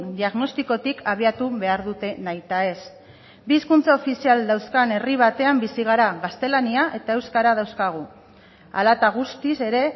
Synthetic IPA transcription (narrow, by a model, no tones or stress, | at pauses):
d̪iaɣno̞st̪iko̞t̪ikʰaβ̞iat̪uβe̞aɾðut̪e̞najt̪ae̞s | biːskunt͡saofisiald̪awskane̞riβ̞at̪e̞ambisiɣ̞aɾaɣast̪e̞laniaʔe̞t̪ae̞wskaɾað̞awskaɣ̞u | a̰lat̪aɣ̞ust̪ise̞ɾe̞